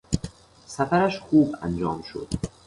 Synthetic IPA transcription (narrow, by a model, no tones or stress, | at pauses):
sæfæɾæʃxuːbæ̰nd͡ʒɒːmʃo̰d̪̥